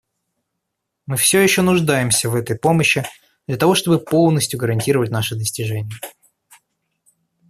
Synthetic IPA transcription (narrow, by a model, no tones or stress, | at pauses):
mɨfsʲɵjɪɕːonʊʐd̪ajɪmsʲəvɛt̪əjpo̞məɕːɪ | d̪̥lʲɐt̪ɐvo̞ʂt̪o̞bɨpo̞lˠnəsʲtʲjʊɡəɾɐnʲtʲiɾəvətʲnaʂɨd̪əsʲtʲɪʐɛnʲɪjə